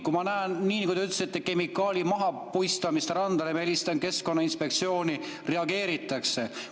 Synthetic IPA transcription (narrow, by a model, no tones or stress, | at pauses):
kumɑnæːnːiːnkut̪ɑyt̪lesit̪ːeke̞mikːˑɑːlʲimɑɦɑpujst̪ɑmist̪ɾɑnd̪̥ɑlemelist̪ɑnke̞sko̞nːɑinspe̞k̚t̪sio̞ːni | re̞ɑɡe̞ːɾit̪ːˑɑkse̞